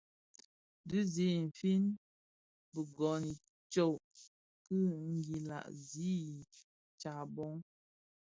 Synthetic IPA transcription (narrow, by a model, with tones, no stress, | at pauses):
dʉ˦zi˦˨m̩˨fi˦n | bə˨ɡɔ˨ni˨ | t͡ʃo˨ | kɨ˦ŋ̩˨ɡi˨la̰˨ʔzi˦ | t͡ʃa˨bɔ˦ŋ